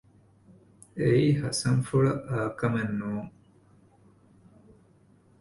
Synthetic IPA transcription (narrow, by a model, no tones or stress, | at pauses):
eiːhɐsɐŋfuɭɐʔaːkɐmenːuːŋ